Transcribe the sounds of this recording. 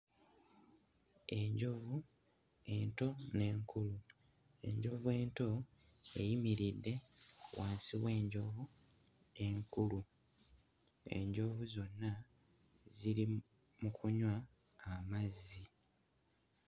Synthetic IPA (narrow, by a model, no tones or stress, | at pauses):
e̞ɲɟo̞vu | e̞nto̞ne̞ːŋkʰulu | e̞̰ɲɟo̞vue̞ːnto̞ | ejimiɾidːe̞wʔaːnsiβwe̞ːɲɟo̞vu | ne̞ːŋkulu | e̞̰ɲɟo̞vuzo̞nːa | ziɾi | mukʰuɲwaː | mazi